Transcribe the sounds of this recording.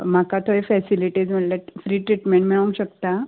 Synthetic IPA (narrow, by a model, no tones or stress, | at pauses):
m̤akat̪ʰoefɛsiliʈiːd͡zm̤əʈlafɾiːʈɾiʈmeɳʈmiɭũnɕəkt̪a